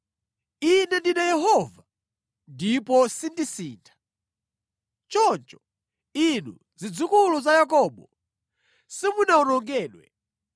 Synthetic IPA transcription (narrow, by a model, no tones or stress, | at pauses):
inɛndinajɛɦɔva | ndipɔsindisiːntʰḁ | t͡ʃɔnt͡ʃɔ̥ | inṵ | d͡zid͡zukulɔzajakɔːɓɔ | simunaunɔŋɡɛːɗwɛ̰